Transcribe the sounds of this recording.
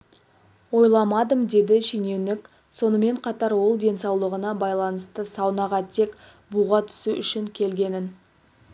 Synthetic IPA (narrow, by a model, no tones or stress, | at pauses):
wo̞jlˠɑmɑd̪əmd̪e̞d̪ɪʃine̞wnɪk | so̞nəme̞ɴqʰɑt̪ɑɾwo̞lˠd̪e̞nsɑwlˠəʁənɑbɑjlˠɑnəst̪əsɑwnɑʁɑt̪ʰe̞k | buʁɑt̪ʰʏ̥suʔʏʃɪŋkʲʰe̞lɡʲe̞nɪn